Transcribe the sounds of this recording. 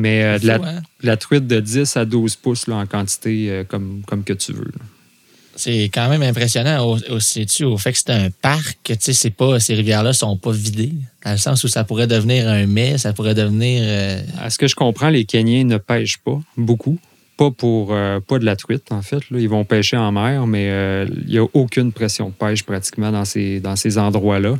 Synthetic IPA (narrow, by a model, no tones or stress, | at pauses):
mɛd̪əlaɛd̪əlat̪ʁɥɪt̪̚d̪əd͡zɪsad̪uːzpʊslʌɑ̃kɑ̃t̪i̥t̪eøkɔmkɔmkət̪yvø̰l | sɛkɑ̃ːmɛ̃mɛ̃pʁesjɔnãoosisyofɛkə̥se̥t̪ɛœ̃paʁkət͡sesepʌseʁivjɛːʁlʌsɔ̃pʌvid̪ed̪̥ɑ̃ləsãsusapuʁɛd̪əvniːʁœ̃mɛsapuʁɛd̪əvniːʁøɛ̰sə̥kəʒə̥kɔ̃ːpχɑ̃lekʲɛnjɛ̃nəpɛɪʒpʌbukʰu | pʌpuʁøpʌd̪əlat̪ʁɥɪt̪ɑ̃fɛt̪lʌilvɔ̃pɛːʃeɑ̃mɛːʁmɛøḭljaʔokʲʏnpʁɛsjɔ̃d̪əpɛɪʃpʁat͡s̪i̥kmãd̪ɑ̃sed̪ɑ̃sezɑ̃d̪ʁwalʌ